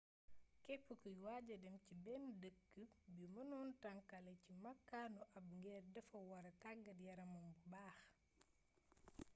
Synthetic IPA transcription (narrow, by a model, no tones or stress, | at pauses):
kɛpːukujwaɟɐdɛmcibɛmdəkːəbimɐnuːntɐŋkɐlɛcimɐkːaːnuʔɐb̚ŋɡɛːrdɐfɐwɐɾɐtaɡːɐdjɐɾɐmɐmbubaːx